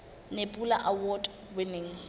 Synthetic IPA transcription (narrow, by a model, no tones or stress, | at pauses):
nepʼula̰ʔawɔd | wɪnɪŋ̩